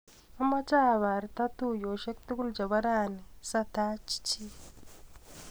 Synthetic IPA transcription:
a˦ma˦t͡ʃa˦βa˨ɾi˨ta˦tujo˨ʃe˦kti˦ku˦lɟa˨βa˦ɾa˦ni˨sa˦ta˦t͡ʃi̥˦ci˦

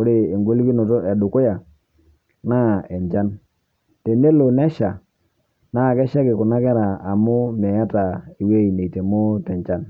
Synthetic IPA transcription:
ko˦ɾe˨e˨ŋɡo˦lki˦no˨to˦ʔe˨du˨ku˦ja˨ | na˦˨e˨ɲd͡ʒa˦n | te˨ne˦lo˨nɛ˦ʃa˨ | na˦˨kɛ˦ʃa˦kɪ˨ku˨na˦kɛ˦ɾa˨a˨mʊ˦me˨ja˦ta˨i˨we˦i˨ne˨i˨te˨mo˦tɛ˨nt͡ʃa˦n

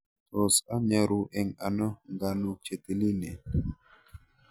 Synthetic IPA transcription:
to˨sa˦ɲe˨ɾu˨ʔɛ˨ŋa˨nɔ˦ŋɡa˨nu˨t͡ʃe˨te˨li˦ne˨

